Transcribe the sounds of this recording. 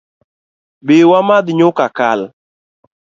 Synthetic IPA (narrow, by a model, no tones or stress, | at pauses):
bɪwamad̪ɲʊkakal